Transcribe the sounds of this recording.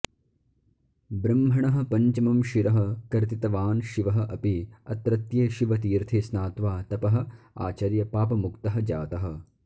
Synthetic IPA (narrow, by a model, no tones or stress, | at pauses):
bɾɐmɦɐɳɐɦɐ̆pɐɲt͡ʃɐmɐmʃiɾɐɦɐ̆kɐɾt̪it̪ɐʋaːnʃiʋɐɦɐ̆ʔɐpiɐt̪ɾɐt̪jeːʃiʋɐt̪iːɾt̪ʰesnaːt̪ʋaːt̪ɐpɐɦɐ̆ | a̰ːt͡ʃɐɾjɐpaːpɐmukt̪ɐɦɐ̆d͡ʒaːt̪ɐɦɐ̆